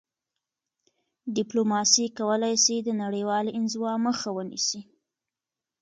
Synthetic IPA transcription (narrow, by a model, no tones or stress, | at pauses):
ɖɪplomɑsikawəlajsid̪ənaɽəjwɑlʔɪnzwɑməxawənḭsi